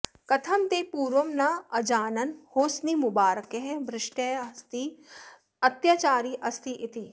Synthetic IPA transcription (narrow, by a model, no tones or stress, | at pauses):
kɐt̪ʰɐmt̪eːpuːɾʋɐmnaɐd͡ʒaːnɐnhoːsnimʊbaːɾəkeɦɛbɾɪʃʈest̪i | ɐt̪jat͡ʃaːɾiʔɐst̪iʔɪt̪i